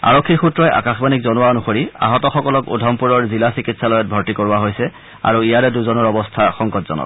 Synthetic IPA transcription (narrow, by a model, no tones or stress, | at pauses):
a̰ɹɔkʰːiɹxutɹɔjʔa̰kaxbanik̚zɔnʊwaonuxoɹia̰ɦɔtɔxɔkɔlɔkṵdʱɔmpuɹɔɹzilasikitsalɔjɔt̚bʱɔɹtikoɹuaɦojsɛ | a̰ɹuijaɹɛduzɔnɔɹɔbɔstʰaxɔŋkɔtz̥ɔ̰nɔ̰t